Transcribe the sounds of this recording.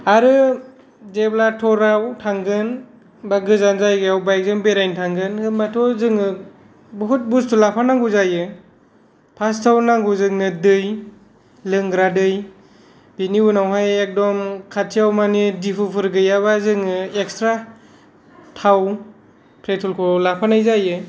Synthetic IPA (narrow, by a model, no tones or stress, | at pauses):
aɾɯ | zeblatʰɔɾawtʰaŋɡɯn | baɡɯzanzajɡɯjawbajk̚zɯŋbeɾajntʰaŋɡɯnɯmatʰɔzɯŋɯ | bɔɦut̚bustulapʰanaŋɡuzajɯ | pʰastʰawnaŋɡuzɯŋnɯdɯj | lɯŋɡɾadɯj | b̥iniunawɦajek̚dɔmkʰatʰijawmanidipʰɯpʰɯɾɡɯjaβazɯŋɯekstɾa | tʰaw | pʰɾetʰulkʰɔlapʰanajzajɯ